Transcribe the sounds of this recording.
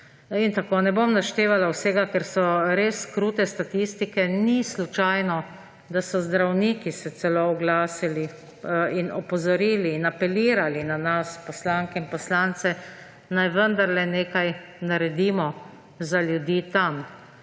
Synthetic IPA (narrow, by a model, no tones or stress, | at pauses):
int̪akoːnɛbomnaʃt̪eːʋalawsɛːɡakɛɾsɔɾeskɾuːt̪ɛst̪at̪ist̪ikɛnislut͡ʃajnɔ | d̪asɔzd̪ɾawniːkisɛt͡s̪ɛloʊɡlaːsili | inɔpɔzɔɾiːliːnapɛliːɾalinanaspɔslaŋkɛinpɔslaːnt̪sɛ | najʋənd̪aɾlɛneːkajnaɾɛd̪iːmɔ | zaljud̪iːt̪am